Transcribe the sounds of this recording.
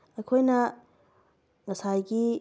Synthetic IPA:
ejkʰojnɐ | ŋɐsajɡi

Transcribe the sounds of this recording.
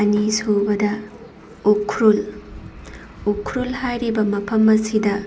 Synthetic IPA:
anisobɐdɐ | ukʰɾul | ukʰːɾulhajɾibɐmɐpʰɐmɐsidɐ

